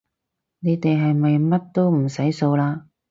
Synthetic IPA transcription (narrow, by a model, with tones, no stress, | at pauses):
ne˨˧jt̪e˨jɦɐ˨jmɐ˨jmɐ˥t̚t̪o˥wm̩˨˩sɐ˨˥jso˧wlaː˧